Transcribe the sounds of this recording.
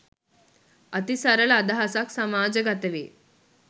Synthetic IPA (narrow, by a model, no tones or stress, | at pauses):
ət̪isaɾəlad̪aɦasaksəmad͡ʑəɡat̪əʋe